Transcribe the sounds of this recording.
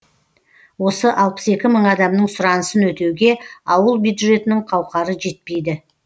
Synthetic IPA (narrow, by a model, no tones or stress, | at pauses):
wo̞səʔɑlˠpə̥se̞kʲɪməɴɑd̪ɑmnəɴsʊɾɑnəsənwɵt̪e̞wɡʲe̞ɑwəlˠbjud̪ʒe̞t̪ɪnɪɴqʰɑwqɑɾəʒe̞t̪̚pe̞jd̪ɪ